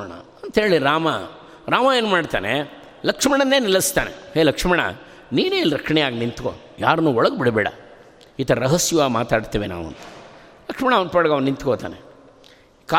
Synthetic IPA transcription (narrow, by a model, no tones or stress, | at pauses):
ɳɐ̰ɐnt̪ɦeːɭiɾaːma̰ | ɾaːmɐeːnumaːɖt̪aːne | lɐkʂɐmɐɳɐnːeːnilɐst̪aːnḛheːlɐkʂmɐɳɐ̰ | niːneiliɾɐkʂɐɳɛjaːɡinint̪ko̰ | jaːɾɐnuːɔɭɐɡbiɽbɛːɽɐ̰ | iːt̪ɐɾɐɾɐɦɐsjɐʋaːɡmaːt̪aːɖt̪iːʋena̰ːʋuɐ̰nt̪ɐ̥lɐkʂmɐɳaɐʋnpɐɽɐɡɐʋɐnnint̪koːt̪a̰ːnḛ | ka